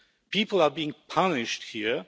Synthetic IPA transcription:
pipl̩ˠabiɪ̃ŋpʰʌnɪʃt̚hiə

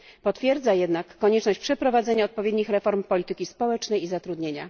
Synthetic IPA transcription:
pɔt̪fʲjɛɾd̪zajɛd̪nakːɔɲɛt͡ʂnɔɕt͡ɕpʂɛpɾɔvad̪zɛɲaɔt̪̚pɔvʲjed̪ɲixɾɛfɔɾmpɔlʲit̪ɘkʲispɔwɛt͡ʂnɛjizat̪ɾud̪ɲeɲa̰

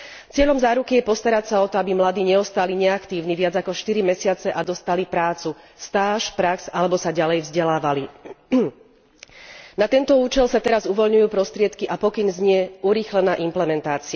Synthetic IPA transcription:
t͡sɪɛʎɔmzaːɾukijɛpɔst̪aɾacsaɔt̪ɔabimlad̪iːɲɛɔst̪aliɲɛakt̪iːʊniʋɪad͡zakɔʃt̪iɾimɛsɪat͡sɛʔad̪ɔst̪alipɾaːt͡su | st̪aːʃpɾaksalɛbɔsaɟalɛjvzɟɛlaːʋali | nat̪ɛnt̪ɔuːt͡ʃɛlsat̪ɛɾazuʋɔlɲujuːpɾɔst̪ɾɪɛt̪kiʔapɔkinzɲɪɛuɾiːxlɛnaːʔimplɛmɛnt̪aːt͡sia

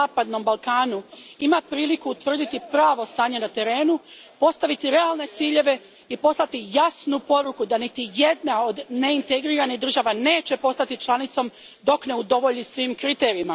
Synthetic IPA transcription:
aːpad̪no̞mbalˠkaːnuimapɾiːlikuːt̪ʋr̩d̪it̪ipɾaːʋo̞st̪aːɲe̞nat̪e̞ɾe̞ːnu | po̞st̪aʋit̪iɾe̞alˠne̞t̪siːʎe̞ʋe̞ | ipo̞slˠat̪ijasnupo̞ɾukud̪anit̪ije̞d̪nao̞d̪ne̞int̪eɡɾiːɾaniɦd̪ɾr̩ʒaːʋane̞ːt͡ɕe̞po̞st̪at̪it͡ʃlˠanit̪so̞m | d̪o̞kne̞ud̪o̞ʋo̞ʎisʋiːmkɾit̪e̞ːɾiima

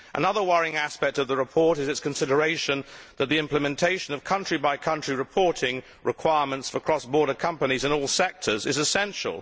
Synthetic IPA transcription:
ʔə̰nʌðəwʌɹɪ̃ŋæspɛk̚tʌvðəɹɨpʰɔɹɾɨzɨtskʰɨ̃n̩sɪɾə˞eɪʃɨ̃nðɨt̪̚ðiɪ̃mpləmɨ̃ntʰeɪʃɨ̃nʌv̥kʰʌ̃nt͡ʃɹ̥ibaɪkʰʌ̃nt͡ʃɹ̥iɹɨpʰɔɹɾɪ̃ŋ | ɹʔɨkʰw̥aɪɹmə̃ntsfə˞kʰɹ̥ɔsb̥ɔɹɾə˞kʰʌ̃mpɨnizɨ̃nɔlˠsɛk̚tʰə˞zɨzɨsɛ̃nʃə̰lˠ

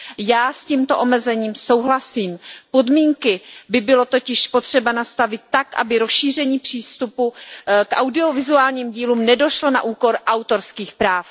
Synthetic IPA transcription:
jaːsciːmt̪o̞ʔo̞mɛzɛɲiːmso̞wɦlasiːmpo̞dmiːŋkɪbɪbɪlo̞t̪o̞cɪʃpo̞t̪r̝̥ɛbanast̪avɪt̪ːakʔa̰bɪɾo̞sʃiːr̝ɛɲiːpr̝̥iːst̪upukʔa̰wdɪo̞vɪzuaːlɲiːmɟiːluːmnɛdo̞ʃlo̞na̰ʔuːko̞ɾʔawt̪o̞ɾskiːxpɾaːf

